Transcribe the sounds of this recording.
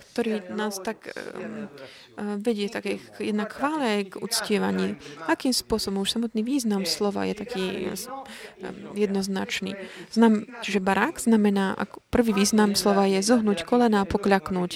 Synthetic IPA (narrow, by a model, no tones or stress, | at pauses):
kt̪ɔɾiːnaːst̪ak | ʋɛɟɪɛt̪akɛːjɛd̪nakxʋaːlɛɡṵt͡scɪɛʋa̰ɲḭːakiːmspʊɔsɔbɔmuʃsamɔt̪niːʋiːznamslɔʋa̰jɛ̰t̪akiː | jɛd̪nɔzna̰t͡ʃnḭːznat͡ʃiʒɛbaɾaɡz̥namɛnaːʔa̰kɔpr̩ʋiːʋiːznamslɔʋajɛzɔɦnuːckɔlɛnaːpɔkʎaknuːc